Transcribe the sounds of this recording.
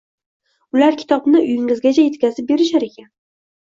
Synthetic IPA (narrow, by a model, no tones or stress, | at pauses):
ʊlaɾkʲʰɪ̥t̪ʰɒbnɪʔʊjɪŋɪzɡʲat͡ʃʰaje̞t̪kʲazɪp̚be̞ɾɪʃaɾe̞kʲan